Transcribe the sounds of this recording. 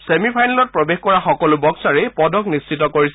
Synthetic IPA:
semipʰajnalɔt̚pɹɔbexkɔɹaxɔkɔlʊbɔksaɹɛpɔdʱɔknist͡ʃitɔkoɹis

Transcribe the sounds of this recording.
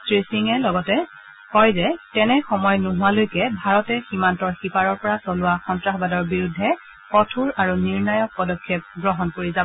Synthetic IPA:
tɹesiŋɛlɔɡɔtɛ | hɔjzɛtɛnɛxɔmɔjnʊɦʊalojkɛbʱaɹɔtɛximantɔɹxipaɹɔɹpɔɹasɔlʊwaxɔntɹaxbadɔɹbiɹudʱːɛ | kɔtʰuɹaɹuniɹnajɔk̚pɔdɔkʰːjep̚ɡɹɔɦɔnkoɹizab

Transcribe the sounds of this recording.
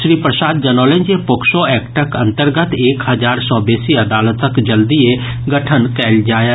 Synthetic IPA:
ʃɾiːpɾəsaːd̪̚d͡ʒənoːlẽɲd͡ʒepʊkʃoːɛːkʈəkə̃nt̪əɾɡət̪eːkɦəzaːɾsɔ̃ːbeːsiəd̪aːlət̪əkd͡ʒəld̪ie | ɡəʈʰənkɛːld͡ʒaːjaː

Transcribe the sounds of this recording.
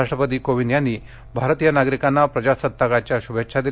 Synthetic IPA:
aʂʈɾəpət̪̬iːkoʋinjanːiː | bʱaɾət̪ijənaɡɾikanːapɾəd͡ʑasət̪ːakat͡ɕjaɕubekʂʰad̪i

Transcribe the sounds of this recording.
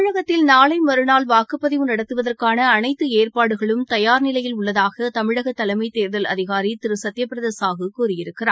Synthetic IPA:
ɻɐɣɐt̪ːɪlnaːɭɐɪmɐɾɯnaːlʋaːkɯpːɐðɪʋɯnɐɽɐt̪ːɯʋɐðɐrkaːnɐːnɐɪt̪ːɯeːrpaːɽɯɣɐɭɯmt̪ɐjaːɾnɪlɐjɪlʊɭːɐðaːɣɐt̪ɐmɪɻɐɣɐt̪ːɐlɐɪmɐɪt̪eːɾðɐlɐ̰ðɪɣaːɾit̪ɪɾɯsɐt̪ːjɐpːɪɾɐðeːsaːɣɯkuːɾɪjɪɾɯkːɪraː

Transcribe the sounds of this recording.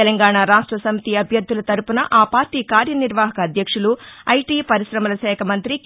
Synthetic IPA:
ɛlɐŋɡaːɳaɾaːʂʈɾɐsɐmit̪iɐbʱjɐd̪ːulɐt̪ɐɾupunɐʔaːpaːɾʈiːkaːɾjɐniɾʋaːɦɐkɐːd̪ʱjɐkʂuluɐjʈiːpɐɾiʃɾɐmɐlɐʃɛːkʰɐmɐnt̪ɾi

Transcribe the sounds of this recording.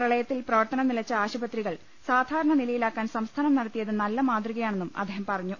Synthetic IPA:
rɐɭɐjɐt̪ːilprɐʋɐrt̪ɐnɐmnilɐt͡ɕːɐaːɕubɐt̪ːriɣɐɭ | saːd̪ʱaːɾɐɳɐnilɐjilaːkːaːnsɐmst̪ʰaːnɐmnɐɽɐt̪ːijɐðɨnɐlːɐmaːd̪riɣɐjaːɳe̞nːumɐ̰d̪ʱːeːɦɐmpɐrɐɲːu

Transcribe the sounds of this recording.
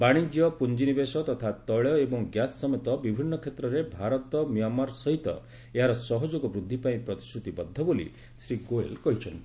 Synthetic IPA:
baɽ̃id͡ʒjɔpund͡ʒinibesɔt̪ɔt̪ʰat̪ɔɭjɔebɔŋɡjasːɔmet̪ɔbibʱinːɔkʰet̪ɾɔɾebʱaɾɔt̪ɔmiamaɾsɔɦit̪ɔ̰ | eɦaɾɔsɔɦɔd͡ʒoɡɔbɾud̪ʱːipaĩpɾɔt̪i̥sʈʰut̪ibɔd̪ʱːɔbolḭ | sɾiɡoḛlkɔɦit͡ʃʰɔnt̪i

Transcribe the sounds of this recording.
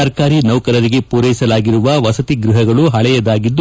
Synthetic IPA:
ɐɾkaːɾinɐʋkɐɾɐɾiɡe̞puːɾɐjisɐlaːɡiɾuʋɐʋɐsɐt̪iɡɾiɦɐɡɐɭuɦɐɭɛjɐd̪aːɡid̪ː

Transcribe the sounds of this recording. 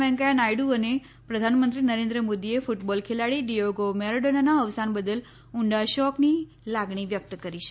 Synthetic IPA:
ɛ̃ŋkajanajɖuəne | pɾəd̪ʱanmənt̪ɾinəɾẽnd̪ɾəmod̪iefuʈbɔlkʰelaɭiɖijoɡomɛɾoɖonanaəʋsanbəd̪əl | uɳɖaʃɔkni | laɡɳiʋjək̚t̪kəɾiʃʰ

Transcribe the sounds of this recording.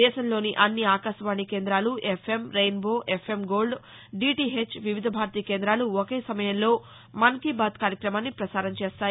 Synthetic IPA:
ɛːʃɐnlo̞ːniʔɐnːiaːkaːʃɐʋaːɳikeːnd̪ɾaːluʔepʰe̞mɾejnbo̞ːʔepʰemɡo̞ːlɖ | ɖiːʈiːɦet͡ʃʋiʋid̪ʱɐbʱaːɾt̪iːkeːnd̪ɾaːluokeːsɐmɐjɐnlo̞ː | mɐnkibaːt̪kaːɾjɐkɾɐmaːnːipɾɐsaːɾɐnt͡ʃeːst̪aː

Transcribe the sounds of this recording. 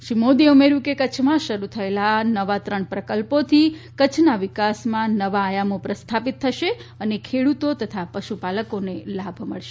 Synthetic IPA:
ʃimod̪iumeɾjũkekət͡ʃʰmãʃəɾut̪ʰəelanəʋat̪ɾəɳpɾəkəlpot̪ʰikət͡ʃʰnaʋɪkasmãnəʋaːjamopɾəst̪ʰapit̪ʰːəʃeənekʰeɽut̪ot̪ət̪ʰapəʃupaləkonelabʱməɭʃe

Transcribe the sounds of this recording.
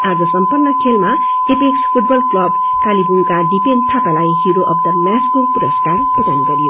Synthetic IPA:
ad͡zʌsʌmpʌrnːʌkʰelma | tepekspʰuʈ̚bʌlklʌb | kalibunkaɖipenɖ̚t̪ʰakalajɦiɾoʔʌb̚t̪ʌmjaskopuɾʌskarputaniɡʌɾijo

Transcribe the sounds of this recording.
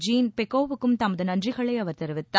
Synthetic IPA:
d͡ʒiːnpɛkːoːʋɯkːɯmt̪ɐmɐðɯnɐndrɪɣɐɭɐɪɐʋɐɾt̪ɛɾɯʋɪt̪ːaː

